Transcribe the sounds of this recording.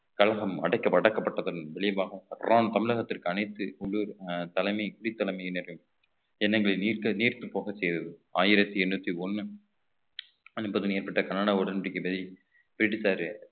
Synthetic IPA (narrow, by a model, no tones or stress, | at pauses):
kɐlɐɣɐmɐ̰ɽɐɪkːɐpːɐɽɐkːɐpːɐʈːɐðɐnʋɛɭɪbaːɣɐɾaːnt̪ɐmɪɻɐɣɐt̪ːɪrkɯɐnɐɪt̪ːɯʊɭːuɾt̪ɐlɐɪmɐɪkʊɽɪt̪ːɐlɐɪmɐnɛɾɯm | ɛnːɐŋɡɐɭɐniːkɐniːrt̪ɯpːoːɣɐsɛjɾɐðɯaːjɪɾɐt̪ːiɛnːut̪ːiɔnːɯ | ɐnbɐðɯnjɛɾpɐʈːɐkɐnːaːɽaːʊɽɐnɾɪkːɯbɐði | bɪɾɪʈːisaːɾ